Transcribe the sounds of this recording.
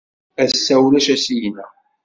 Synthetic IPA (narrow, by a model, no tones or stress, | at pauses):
æsːæwlæʃæsijnːæ̰